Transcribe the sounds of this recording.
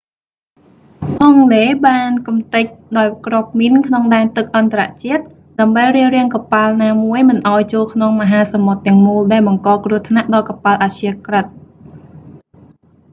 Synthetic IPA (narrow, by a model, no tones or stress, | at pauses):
ʔɑŋleːɓaːnkumt̪ɨc̚ɗaɔjkrŏp̚minkʰnoŋɗaɛnt̪ɨk̚ʔɑnt̪aɾa̰ʔt͡ɕiət̪̚ | ɗaəmɓəjriəlrɛ̆əŋkɑpalnaːmuəjmɨnʔaɔjt͡ɕoːlkʰnoŋməɦaːsamot̪ːɛ̆əŋmuːlɗaɛlɓɑŋkɑːkruət̪ʰnaʔɗɑːkɑpalʔat͡ɕʰiəkrət̪̚